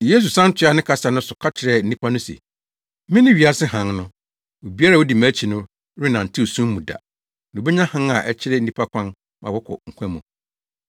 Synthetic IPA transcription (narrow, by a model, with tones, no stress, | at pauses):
je˦s̬u˨sã˦n˦tʰɪ˦a˨˦nɪ̃˦kʰa˦sa˨nʊ̃˦sʊ˨kʰa˦tʰɪ˨ɾɛ˨n̩˦nĩ˦pʰa˦nʊ̃˦sḛ˨˦ | mɪ̃˦nɪ̃˦ɥi˨a˦sɪ˦ɦã˨˦ŋnʊ̃˦ | wo˨bi˦a˦ɾa˦˨wo˦di˨mæ˦t͡ɕʰi˨nʊ̃˦ | ɾɪ˦nã˨n̩˨tʰɪ˦o˨sũ˦mː˦ũ˨da̰˨ | nʊ̃˨be˦ɲã˦hã˦na˨ʔɛ˦t͡ɕʰɪ˦ɾɛ˦n̩˦nĩ˦pʰa˦kʷʰã˦n | mã̰˨wɔ˦kʰɔ̰˨ŋ̩˨kʷʰɛ̃˦mʊ̃˨